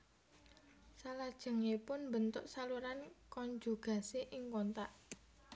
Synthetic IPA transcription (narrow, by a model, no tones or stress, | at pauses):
salad̥ʒ̥ə̤ŋepʊnmbənt̪ʊʔsaluɾankɔɲd͡ʒuɡ̥ä̤seʔɪŋkɔnt̪aʔ